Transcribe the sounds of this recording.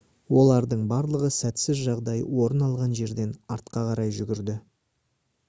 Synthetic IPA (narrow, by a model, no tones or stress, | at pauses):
wo̞lˠɑɾd̪əɴbɑɾlˠəʁəsæt̪sɪzʒɑʁd̪ɑjwo̞ɾənɑlˠʁɑnʒe̞ɾd̪e̞nɑɾt̪qɑqʰɑɾɑjʒʏɡʲɪɾd̪ɪ